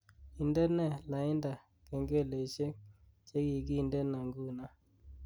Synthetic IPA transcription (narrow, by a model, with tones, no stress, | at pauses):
i˨ndɛ˦nɛ˦˨la˨ɪ˦nda˨ | kɛ˨ŋɡe˦˨le˨t͡ʃe˦ | t͡ʃe˦ki˨ɡi˦˨ndɛ˦na˨ŋɡu˦˨na˦